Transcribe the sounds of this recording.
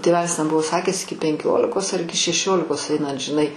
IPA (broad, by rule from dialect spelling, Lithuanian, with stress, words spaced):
tʲeːˈʋʲæːlʲɪs tʲɛn ˈbʊʋoː ˈsɑːkʲæːs ˈɪkʲɪ pʲɛŋʲˈkʲoːlʲɪkoːs ɐr ˈɪkʲɪ ʃʲɛˈʃʲoːlʲɪkoːs ˈɐɪnɐt ʒʲɪˈnɐɪ